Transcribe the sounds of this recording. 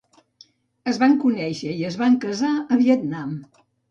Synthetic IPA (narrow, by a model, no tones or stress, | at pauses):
əzβaŋkunɛʃəiəzβaŋkəzaəβiət̪nam